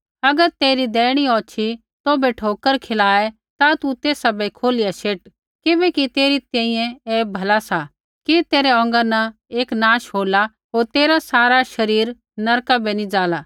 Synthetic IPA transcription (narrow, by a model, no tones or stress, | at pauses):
ɐɡəɾt̪eːɾid̪ɛːɽ̃iɔːt͡ʃʰi | t̪obɛʈʰoːkəɾkʰelaːɛ | t̪at̪ut̪eːsabɛkʰoːlijaʃeːʈ | kɪbɛːkit̪eːɾit̪ɛ̃ːĩjɛ̃eːbʱɐlasa | kit̪eːɾɛɔ̃ːŋɡanɐ | eːknãːʃɦoːla | ɦoːɾt̪eːɾasaːɾaʃɐɾiːɾ | nɐɾkabɛnĩd͡zaːla